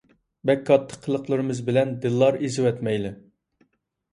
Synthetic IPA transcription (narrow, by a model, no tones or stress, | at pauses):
bɛkʰːɑt̪ʰːə̥qʰːəlˠəqlˠəɾɨmɨzbɪlɛnd̪ɨlˠːɑɾizɪwɛt̪mɛjlɪ